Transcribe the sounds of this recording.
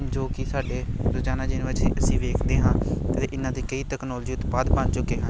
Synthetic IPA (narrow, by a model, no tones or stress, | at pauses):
d͡ʒoːkɪsaːɖeːɾʊt͡ʃaːnaːd͡ʒɪnːət͡ʃiʔəsĩːʋeːkʰd̪eːɦãːt̪eːʔɪnːãːd̪iːkəiːt̪ɛːknɔːld͡ʒiːʊt̪baːd̪bãnt͡ʃʊkːeːɦã